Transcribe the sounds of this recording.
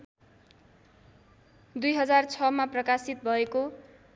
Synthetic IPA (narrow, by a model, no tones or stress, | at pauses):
d̪ujɦʌd͡zart͡sʰʌmaprʌkasit̪̚bʱʌeko